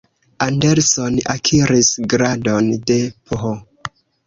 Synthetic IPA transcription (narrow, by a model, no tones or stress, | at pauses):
andeɾsona̰kʰiɾisɡɾadonde̞poɦo